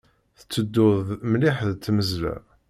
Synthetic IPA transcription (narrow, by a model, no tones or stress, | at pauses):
θə̥t͡sːəd̪ːʊðmlɪħðt͡s̪ːməzlæ̰